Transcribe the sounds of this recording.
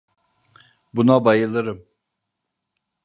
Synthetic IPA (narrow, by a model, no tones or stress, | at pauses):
bunabajɯlˠɯɾɯm